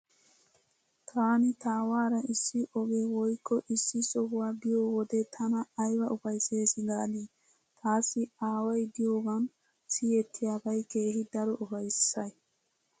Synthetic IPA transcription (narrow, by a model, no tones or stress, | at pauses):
t̪ʰaːnɪt̪aːwaːɾɐʔɪsːɪʔɔɡewɔjkːɔʔɪsːɪsɔɦʊwaːbɪjoːwɔd̪et̪ʰɐnɐːjwɐʊfɐjseːsɪɡaːliː | t̪ʰaːsːɪaːwɐjd̪ɪjoːɡɐn | sijɛt̪ʰːɪjabɐjke̞ːhɪd̪ɐɾɔʔʊfɐjsːɐj